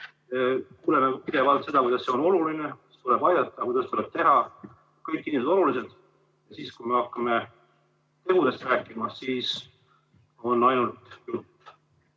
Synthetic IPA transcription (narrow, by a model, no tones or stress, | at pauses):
kuːlemepid̪̥e̞vɑlt̪se̞d̪̥ɑkujd̪̥ɑse̞o̞no̞lulinest̪uleb̥ɑjd̪ɑt̪ːˑɑkujd̪ɑst̪uleb̥̚t̪e̞ɦɑ | kɤjkːinimsed̪o̞lulise̞d̪̥ | jɑsiːskujme̞ɑkːˑɑme | t̪e̞hud̪e̞st̪ræːkːˑimɑsiːs | o̞nːɑjnult̪jut̪ː